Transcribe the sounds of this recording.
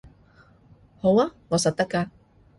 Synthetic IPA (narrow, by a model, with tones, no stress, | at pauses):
ho˨˥waː˥ŋɔː˨˧sɐ˨t̚t̪ɐ˥kːaː˧